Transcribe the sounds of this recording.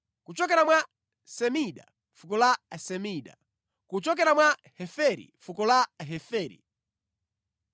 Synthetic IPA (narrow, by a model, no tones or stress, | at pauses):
kut͡ʃɔkɛɾamwa | sɛmiɗa̰ | fukɔlasɛmiːɗa̰ | kut͡ʃɔk̬ɛɾamwahɛfɛɾḭfukɔlaɦɛfɛːɾḭ